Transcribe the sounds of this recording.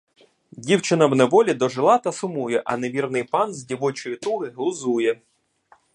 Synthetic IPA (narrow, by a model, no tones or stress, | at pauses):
dʲiwt͡ʃɪnɐwnɛʋɔlʲid̪ɔʒɪlˠɑt̪ɐsʊmujɛʔɐ̰neʋʲirnɪjpɑnzʲdʲiʋɔt͡ʃɔjit̪uɦɪɦlˠʊzujɛ